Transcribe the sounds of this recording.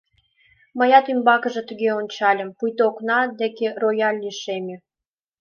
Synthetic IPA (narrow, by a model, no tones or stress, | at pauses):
mə̆jɑt̪ymbɑkə̆ʒĕt̪uɣeonʲt͡ɕɑlʲə̆mpujt̪oknɑd̪ekerojɑlʲːiʃemʲe